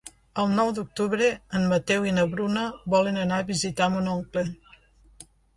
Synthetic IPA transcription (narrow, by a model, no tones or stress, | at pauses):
əlˠnɔwd̪uk̚t̪uβɾeənmət̪ɛwinəβɾunəβɔlenənaβizit̪amunɔŋkle